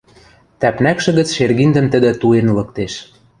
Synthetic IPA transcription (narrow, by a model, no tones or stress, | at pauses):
t̪æpnækʃɘ̆ɣə̆t͡sʃerɣind̪ə̆mt̪ə̆d̪ə̆t̪uenlɤ̆kt̪eʃ